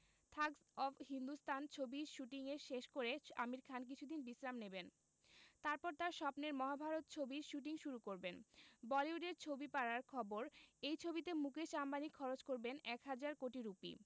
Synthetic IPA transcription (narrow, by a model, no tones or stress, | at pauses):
t̪ʰaɡsɔbhind̪ust̪ʰant͡ɕʰobiɾʃuʈiŋeʃeʃkoɾea̰miɾkʰank̬it͡ɕʰud̪inbisɾamneben | t̪aɾpɔɾt̪aɾʃɔpneɾmɔɦabʱaɾot̪̚t͡ɕʰobiɾʃuʈ̬iŋʃuɾukoɾbenbɔliuɖeɾt͡ɕʰobipaɽaɾkʰɔboɾejt͡ɕʰobit̪emukeʃambanikʰːɔɾot͡ɕkoɾbenɛkɦad͡ʑaɾkoʈiɾupḭ